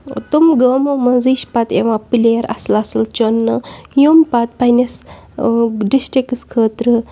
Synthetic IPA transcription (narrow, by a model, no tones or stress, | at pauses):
t̪umɡəːmomɐziʃpat̪eʋãpɨleɾɐ̰slasɨlt͡ʃonːɨjumpat̪̚pajnes | ɖisʈɾikɨskʰəːt̪ɾɨ